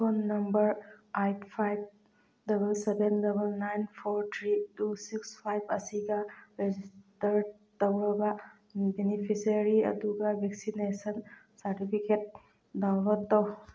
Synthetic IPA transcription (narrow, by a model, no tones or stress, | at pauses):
ponːɐmbəɾajppʰajb̚ | dɐbəlsebendɐbəlnajnpʰoɾt̪ʰɾiʈusikspʰajbɐsiɡaɾed͡ʒistəɾ | t̪ɐbɾɔba | benipʰisəɾiɐ̰d̪uɡabʱeksinesənsɐɾʈipʰikeʈ̚ | dawɾɔt̪ːɔw